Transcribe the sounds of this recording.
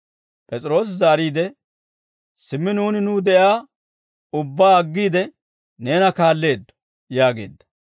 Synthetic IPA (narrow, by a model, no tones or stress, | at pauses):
pʼɛt͡sʼɪɾo̞ːs̬zaːɾiːd̪ɛ | sɪmːɪnuːnɪnuːd̪ɛʔjaː | ʊbːaːɐɡːiːd̪ɛ | ne̞ːnɐkaːlːe̞ːd̪ːɔ̥ | jaːɡe̞̰ːd̪ːɐ̥